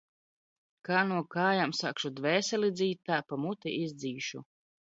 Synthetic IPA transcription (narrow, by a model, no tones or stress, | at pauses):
kaːnuɔkaːjamsakʃud̪vɛːsɛlid̪zʲiːt̪ːaːpamut̪ḭʔizd̪ziːʃṵ